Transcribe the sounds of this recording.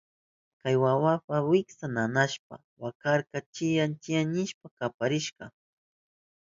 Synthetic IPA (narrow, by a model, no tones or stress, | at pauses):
kajwawapawɪksananaʃp̚a̰ | wakaɾkat͡ʃɪjant͡ʃɪjaɲɪʃpakapaɾɪʃɢɑ